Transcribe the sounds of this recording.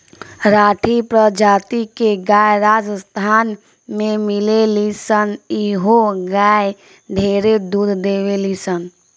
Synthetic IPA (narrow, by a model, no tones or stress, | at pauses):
ɾaːʈʰipɾəd͡ʒaːt̪ikeɡaːjɾaːd͡ʒst̪ʰaːn | mẽmɪlelisəniɦoɡaːje | ɖʱeːɾed̪uːd̪ʱd̪eːʋelisən